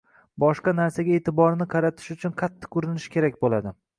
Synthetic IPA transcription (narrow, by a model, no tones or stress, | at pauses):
bɒʃqɑnaɾsaɡʲae̞ːt̪ʰɪbɒɾnɪqʰɑɾat̪ʰɪ̥ʃʊt͡ʃʰʊnqʰat̪ʰːɪ̥kʊɾɪnɪʃkʲe̞ɾakʲbolad̪ɪ